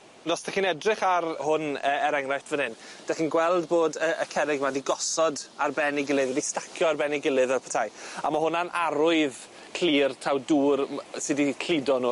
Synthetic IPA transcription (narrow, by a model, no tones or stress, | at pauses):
nɔsd̥aχinɛdrɪχarhʊnəːɛɾɛŋrajtvənɪnd̥ɛχiːnɡwɛlˠdboːdəəkʰɛɾɪɡmadiɡɔsɔdarbɛniɡɪlˠɨðwɛdistakʰjɔarbɛniɡɪlˠɨðɛlpʰə̥tʰaja̰mahʊnanʔaɾʊɨð | kʰl̥iːrtʰawduːrsɪdikʰlidɔnuː